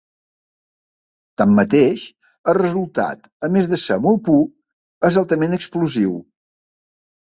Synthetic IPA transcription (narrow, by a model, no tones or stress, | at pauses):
t̪amːət̪eʃ | əlˠrəzulˠt̪a̰t̪ | əmezðəsə̰mɔl̚ˠpu | əzalˠt̪əmenəkspluziw